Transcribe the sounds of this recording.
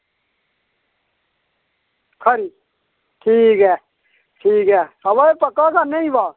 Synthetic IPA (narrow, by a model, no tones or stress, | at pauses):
kʰəɾiː | ʈʰiːkɦɛː | ʈʰiːkɦɛːəbaepəkaːkaːnəĩbaː